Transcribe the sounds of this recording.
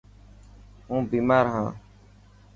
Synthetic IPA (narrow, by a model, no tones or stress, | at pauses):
ɦũːbiːmaːɾɦãː